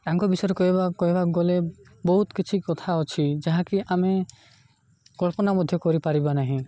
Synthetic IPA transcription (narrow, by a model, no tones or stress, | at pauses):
aŋkɔbisɔjɾɔkɔɦibakɔɦibaɔɡɔle | bɔɦut̪kit͡ʃʰikɔt̪ʰaɔt͡ʃʰid͡ʒaɦãkiʔame | kɔlpɔnamɔd̪ʱjɔkɔɾipaɾibanaɦĩ